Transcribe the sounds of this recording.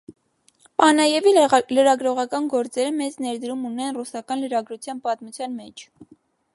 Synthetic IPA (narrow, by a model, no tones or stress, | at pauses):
pɑnɑjɛviləɾɑɡɾɔʁɑkɑnɡɔɾt͡sɛɾəmɛt͡snɛɾd̪əɾumunɛnrusɑkɑnləɾɑɡɾut͡sʰjɑnpɑt̪mut͡sʰjɑnmɛt͡ʃʰ